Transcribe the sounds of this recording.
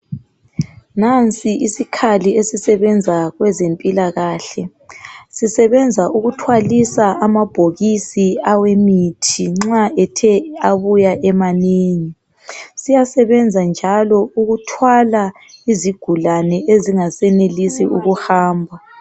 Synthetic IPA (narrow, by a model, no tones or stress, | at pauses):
nant͡sʼiʔisikʰaliesisɛβɛnd͡zʱaɣwɛzempʼilaɣaːɬɛ | sisɛβɛnd͡zʱaʔuɣutʰwalisaʔamab̥ʱoɣisiawemitʰiŋ͡ǁaɛtʰɛaβujaʔɛmaneːɲi | sijasɛβɛnd͡zʱand͡ʒʱalɔuɣutʰwala | iziɡ̥ʱulanɛʔeziŋasɛnelisiuɣuhaːmbʱa